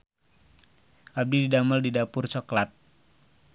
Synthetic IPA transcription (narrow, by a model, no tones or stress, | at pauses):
ʔab̚dididaməldidapʊrt͡ʃɔklat̪̚